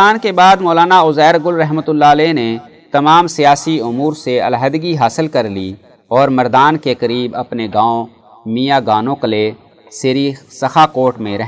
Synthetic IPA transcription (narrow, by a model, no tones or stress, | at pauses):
aːnkebaːd̪mɔːlaːnaʊzɛːɾɡʊlɾɐɦmət̪ʊlːaːlɛːne | t̪ɐmaːmsijaːsiʊmuːɾseɐ̰lɦəd̪ɡiɦaːsɪlkɐɾliː | ɔːɾmɐɾd̪aːnkekɐɾiːbɐpneɡãːõ | mijaːɡaːnõkəle | seɾiːsɐxakoːʈmẽɾɛɦ